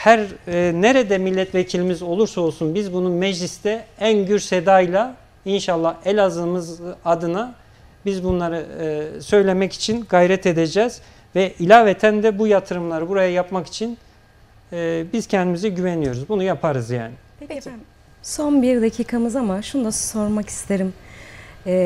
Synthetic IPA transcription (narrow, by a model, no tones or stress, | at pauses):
hæɾne̞ɾed̪ɛmilʲːɛt̪ʰvecʰilʲimizo̞lˠuɾsao̞lˠsunbizbununmɛd͡ʒlʲist̪ɛænɟyɾsed̪aːjlʲˠa | inʃalˠːahɛlʲazɯmɯzad̪ɯna | bizbunlˠaɾɯsø̞jlʲe̞mɛci̥t͡ʃʰinɡajɾɛt̪ʰe̞d̪e̞d͡ʒɛːz̥ | vɛʔilʲaːvet̪ʰænd̪ɛbujat̪ʰɯɾɯmlˠaɾɯbuɾajajapmaki̥t͡ʃʰin | biz̥cʰɛnd̪imizɛɟyvenijo̞ɾuzbunujapʰaɾɯzja̰ːnɪp | so̞nbiɾd̪acʰiːkʰamɯzamaʃunud̪aso̞ɾmakʰi̥st̪ʰeɾimː